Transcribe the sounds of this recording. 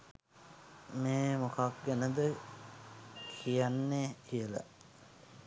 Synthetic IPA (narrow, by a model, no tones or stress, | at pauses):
meːmokak̚ɡænəd̪ə | kʰijanːekijəla̰